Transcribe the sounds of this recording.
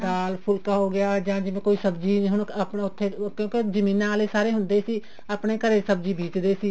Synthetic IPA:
d̪aːlpʰʊlkaːɦoːɡɪjaːd͡ʒãːd͡ʒɪʋẽːkoːiːsəbd͡ʒiːɦʊɳəpnaʊt̪ʰːeːkjõːked͡ʒəmĩːnãːaːleːsaːɾeːɦʊ̃nd̪eːsiː | əpɳeːkəɾeːsəbd͡ʒiːbʱiːt͡ʃd̪eːsiː

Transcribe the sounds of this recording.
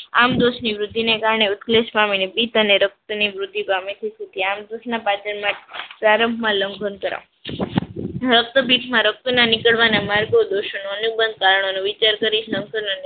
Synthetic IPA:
amd̪oʃniʋɾʊd̪ʱːinekaɾɳeʊt̪kleʃpaminebit̪əneɾək̚t̪əniʋɾʊd̪ʱːipamit̪ʰisut̪iamd̪osnapat͡ʃənmãpɾaɾəmbʱmãləŋɡʱonkəɾa̰ | ɾək̚t̪əbʱiʈʰmãɾək̚t̪unanɪkəɭʋanamaɾɡod̪oʃənuənubənd̪̚kaɾəɳ̃onũʋɪt͡ʃaɾkəɾiʃləŋɡʱənon

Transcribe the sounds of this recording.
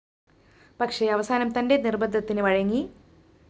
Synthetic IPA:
pɐkʂe̞ɐʋɐsaːnɐmt̪ɐnde̞nirbɐd̪ːɐt̪ːinɨʋɐɻɐŋːi

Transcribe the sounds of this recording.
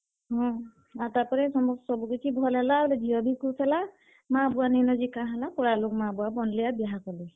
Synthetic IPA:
ɦɔ̃ | atapɔɹɛsɔmɔksɔbukitʰibʱɔlalaɔldiɔbʱikusɛla | mãbʊaninɔzikãɦalakɔɹalʊkmãbʊwabɔnlijabjɦakɔle

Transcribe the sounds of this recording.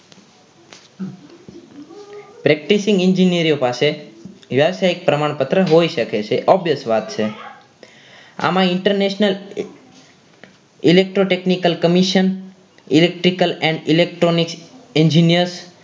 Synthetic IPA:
pɾɛk̚ʈisĩŋɡiɲd͡ʒinijəɾijopaseʋjəʋsaik̚pɾəmaɳ̃pət̪ɾəɦoiʃəket͡ʃʰeʔɔbjəsʋat̪t͡ʃʰe | a̰mãɪɳʈəɾneʃnəl | ilek̚ʈɾoʈeknikəlkəmiʃən | ilek̚ʈɾikəlɛ̃ɳɖilek̚ʈɾonikseɲd͡ʒinijəɾs

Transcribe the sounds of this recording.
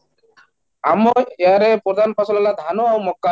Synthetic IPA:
amoeaɾepɾɔd̪ʱanpasɔlalad̪ʱanoawmɔkːa

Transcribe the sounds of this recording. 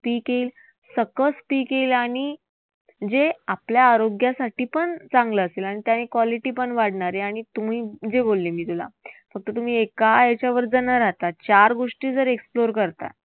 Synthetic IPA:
piːkeːl | səkəspiːkelaɽ̃i | d͡zeapljaːɾoɡjasaʈiːpəɳt͡sãŋɡləːselaɽ̃it̪janekʋaliʈiːpəɳʋaɽɳaɾeaɽ̃it̪um̤iːd͡zebolːimiːt̪ula̰fək̚t̪ət̪um̤iːekajet͡ɕjaʋəɾd͡zənəɾaɦt̪at͡ɕaɾɡoʂʈiːd͡zəɾeksploɾkəɾt̪a̰t

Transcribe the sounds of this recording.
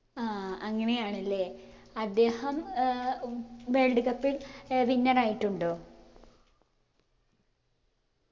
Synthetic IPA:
aɐŋːɐnejaːɳɐlːe̞ː | ɐd̪ːe̞ːhɐm | ʋeːɭɖuɣɐpːilʋinːɐraːjiʈːuɳɖoː

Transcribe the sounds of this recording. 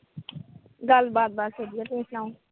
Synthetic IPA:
ɡəlbaːd̪̚baːd̪seːd̪iaːt̪ẽːslãːũː

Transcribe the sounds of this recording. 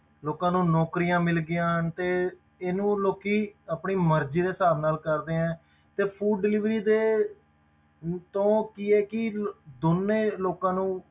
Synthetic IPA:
loːkãːnũːnɔːkɾijãːmɪlɡɪjãːɦənt̪eː | eːnũːloːkiːapɳiːməɾd͡ʒiːd̪eːsaːɾnaːlkəɾd̪eːɛ̃ː | t̪eːpʰuːɖːɪliːʋɾiːd̪eː | t̪õːkiːɛːkɪd̪onːeːloːkãːnũː

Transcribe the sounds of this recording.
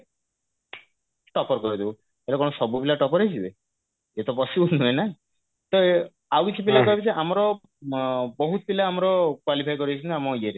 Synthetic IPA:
ʈɔpɔɾkɔɾid̪ibu | elekɔ̃ɔsɔbupilaʈɔpɔɾejd͡ʒʰibe | et̪ɔpɔsinuena | t̪ɔ | awit͡ʃʰibilakɔɦebt͡ʃeʔamɔɾɔ | bɔɦut̪ɔbilaːmɔɾɔkwalipʰajkɔɾit͡ʃʰunt̪iamɔieɾe

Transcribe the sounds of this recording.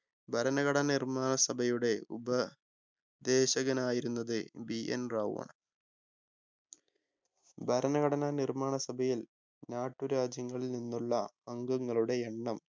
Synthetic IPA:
bʱɐɾɐnɐɣɐɽɐnnirmaːɳɐsɐbʱɐjuɽe̞ubɐ | d̪eːɕɐɡɐnaːjiɾunːɐðɨbiʔḛnraːw̰ɐ̰ɳ | bʱɐɾɐnɐɣɐɽɐnanirmaːɳɐsɐbʱɐjil | naːʈːuɾaːd͡ʑjɐŋːɐɭilninːuɭːɐɐŋɡɐŋːɐɭuɽe̞eɳːɐm

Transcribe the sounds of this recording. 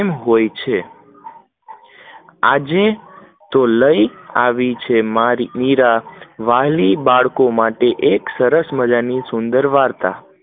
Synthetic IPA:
mɦojt͡ʃʰe | ad͡ʒe | t̪oləiaʋit͡ʃʰemaɾimiɾaʋalibaɭkomaʈeʔeksəɾəsməd͡ʒanisʊnd̪əɾʋaɾt̪a̰

